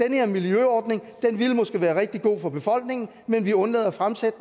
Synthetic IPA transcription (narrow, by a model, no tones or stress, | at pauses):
enəheɐmiljøɒːd̥ne̝ŋd̥enʋilmɒ̽sɡ̥e̝ʋæːɐʁɛɡ̥̚d̥iɡ̥o̝̰ːfɒ̽b̥e̝fɒ̽l̰ɡ̥ne̝ŋn̩ | menʋiɔ̽nlɛ̰ːðˠɐfʁamsed̥ə